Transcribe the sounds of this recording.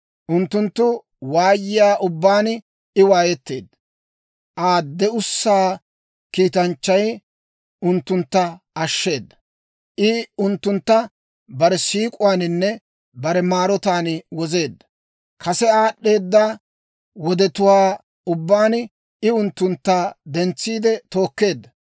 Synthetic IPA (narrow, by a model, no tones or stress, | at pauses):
ʔʊnt̪ːʊnt̪ːʊ | waːjːɪjaːʔʊbːaːn | ɪwaːjɛt̪ːeːd̪ːɐ | ʔaːd̪ːɛʊsːaː | kiːt̪ɐnt͡ʃːɐj | ʊnt̪ːʊnt̪ːɐ | ɐʃːe̞ːd̪ːɐ̥ | ʔɪʊnt̪ːʊnt̪ːɐ | bɐɾɛsiːkʼʊwaːnɪnːɛ | bɐɾɛmaːɾɔt̪aːnwɔze̞ːd̪ːɐ | kʰɐsɛaːɗːe̞ːd̪ːa | wɔd̪ɛt̪ʊwaː | ʊbːaːn | ɪʊnt̪ːʊnt̪ːaːd̪ɛnt͡sːiːd̪ɛt̪o̞ːkːe̞ːd̪ːɐ